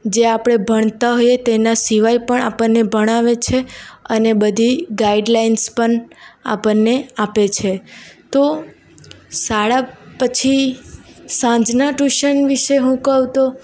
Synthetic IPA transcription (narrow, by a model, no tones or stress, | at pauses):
d͡ʒeapɽ̃ebʱəɳ̃t̪aɦojet̪enasiʋajpəɳa̰pənnːebʱəɽ̃aʋet͡ʃʰeənebəd̪ʱiɡaiɖlainspəɳa̰pənːeapet͡ʃʰet̪o | saɭapət͡ʃʰi | sãd͡ʒnaʈuʃənʋiʃeɦũkəũt̪o